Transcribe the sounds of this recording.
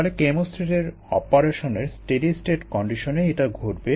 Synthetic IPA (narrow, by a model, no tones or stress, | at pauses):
ɔlekemosʈɾiʈeɾ | ɔ̰poɾeʃoneɾsʈeɖisʈeʈkɔɳɖiʃoneeʈaɡʱoʈ̚be